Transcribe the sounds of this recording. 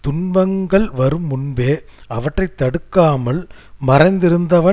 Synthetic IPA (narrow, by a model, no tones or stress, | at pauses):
t̪ʊɳbɐŋɡɐɭʋɐɾɯmːʊɳbeːɐʋɐʈrɐɪt̪ːɐɽɯkːaːmɐɭmɐɾɐɪnd̪ɪɾɯnd̪ɐʋɐ